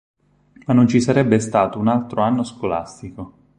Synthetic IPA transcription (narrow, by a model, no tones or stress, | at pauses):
manːont͡ʃisaɾɛbːest̪aːt̪ounalt̪ɾoanːoskola̰st̪iko